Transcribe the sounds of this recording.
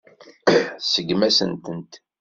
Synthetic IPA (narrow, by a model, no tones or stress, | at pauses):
səɡmæsə̰nt̪ənt̪